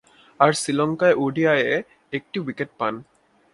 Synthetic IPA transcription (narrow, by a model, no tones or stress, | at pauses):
aɹsilɔŋkajʔoɖijajɛ | ek̚ʈiwiket̚pan